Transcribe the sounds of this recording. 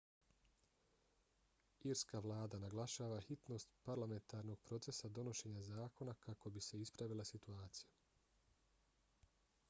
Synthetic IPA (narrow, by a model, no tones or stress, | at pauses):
iɾskaʋlˠaːd̪anaɡlaʃaːʋaxit̪no̞ːst̪paɾlame̞nt̪aːɾno̞ɡ̥pɾo̞t̪se̞sad̪o̞no̞ʃe̞ːɲazaːko̞nakako̞bise̞ispɾaʋilˠasit̪uaːt̪sija